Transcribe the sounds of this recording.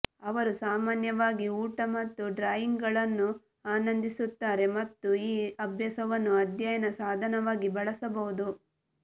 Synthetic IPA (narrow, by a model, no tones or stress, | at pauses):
ɐʋɐɾusaːmaːnjɐʋaːɡiuːʈɐmɐt̪ːuɖɾaːjiŋɡɐɭɐnːu | aːnɐnd̪isut̪ːaːɾe̞mɐt̪ːuiːɐbʱjɐsɐʋɐnːuɐd̪jajɐnɐsaːd̪ʱɐnɐʋaːɡibɐɭɐsɐbɐɦud̪u